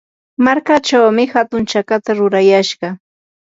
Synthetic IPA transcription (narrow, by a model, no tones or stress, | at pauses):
maɾkat͡ʃawmɪhat̪ʊnt͡ʃakat̪aɾʊɾajaʃɢɑ